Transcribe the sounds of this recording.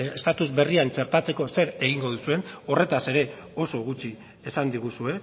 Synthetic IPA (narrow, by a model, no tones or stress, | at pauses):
est̪at̪uzbe̞riant͡ʃe̞ɾt̪at͡se̞ko̞se̞ɾe̞ɣ̞iŋɡo̞ð̞usue̞no̞re̞t̪ase̞ɾe̞o̞so̞ɣ̞ut͡ʃi | esand̪iɣ̞usue̞